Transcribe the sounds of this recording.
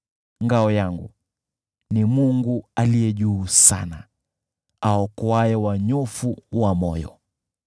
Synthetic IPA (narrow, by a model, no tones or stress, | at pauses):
ŋɡaɔjaŋɡṵ | nimuŋɡualijɛʄuːsa̰na | aɔkɔaɛwaɲɔfuwamɔjɔ̰